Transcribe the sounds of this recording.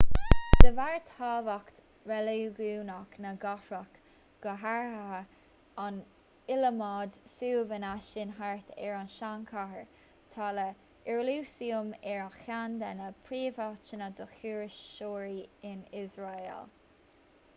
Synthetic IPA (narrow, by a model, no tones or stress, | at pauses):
d̪̥əvaɹt̪haːvakt̪ | vɛliɡuːnɔknəɡafɾak | ɡ̥əɦaɹha | an | ɪləmɑːd̪suːvənaʃɪnɦaɹt̪ɛ̰ɹanʃaŋkʰahəɹ | t̪ʰɑlə | ɪɹluːsiʊmɛɹaxand̪anəpʰɹiːvat͡ʃənəd̪əxuːɾɪʃːoːɹiɪnɪzɹaḛl